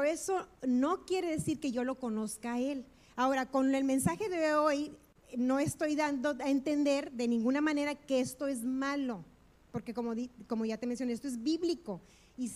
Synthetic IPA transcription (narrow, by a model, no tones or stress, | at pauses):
peoe̞so̞no̞kje̞ɾe̞ðe̞siɾke̞ʝo̞lo̞ko̞no̞skae̞l | ao̞ɾako̞ne̞lmẽ̞nsaxe̞ðe̞oj | no̞est̪o̞jðand̪o̞aent̪e̞nd̪e̞ɾðe̞nĩŋɡunamãne̞ɾake̞e̞st̪o̞e̞zmalo̞ | po̞ɾke̞komoðiko̞mo̞ʝat̪emens̬jonest̪oe̞zβiβliko̞ | is